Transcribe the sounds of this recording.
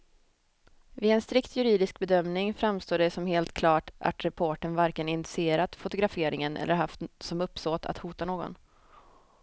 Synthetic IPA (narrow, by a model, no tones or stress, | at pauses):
vɪɛnst̪ɾɪkt̪ʰjɵɾiːd̪ɪsk̚bɛd̪œmnɪŋfɾamst̪oːɖɛsɔmheːlt̪kʰlɑːʈa̰t̪ɾɛpʰoʈənvaɾkənɪnɪɪ̥sɪeːɾat̪fʊt̪ʊɡɾafeːɾɪŋənʔɛ̰lːʔəɾɦaft̪sɔmɵpːst̪oːt̪ʰa̰t̪huːt̪anoːɡɔ̰n